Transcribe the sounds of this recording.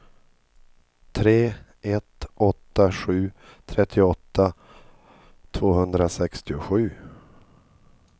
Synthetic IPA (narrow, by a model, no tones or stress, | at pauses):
t̪ʰɾeː | ʔɛt̪ɔt̪ːaɧʉ̟ːt̪ʰɾɛt̪ʰːɪɔt̪ʰːa | t̪ʰvoːɦɵnd̪ɾasɛkst̪ɪʊɧʉ̟ː